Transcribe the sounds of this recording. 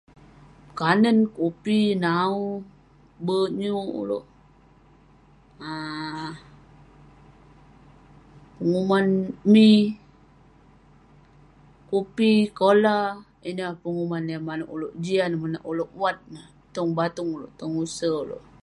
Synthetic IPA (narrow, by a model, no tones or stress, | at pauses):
kanənkupinau | bəɲuṵlo̰ʔ | a | pəŋumanmi | kupikola | inəpəŋumanjamanaʔuloʔd͡ʒianamana̰ʔuloʔwat̪̚na | t̪ɔŋbat̪uŋulo̰ʔt̪ɔŋusəulo̰ʔ